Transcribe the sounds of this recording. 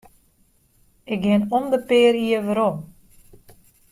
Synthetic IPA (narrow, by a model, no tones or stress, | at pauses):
ɪk̚ɡɪnondəpɪəɾiəʋəɾom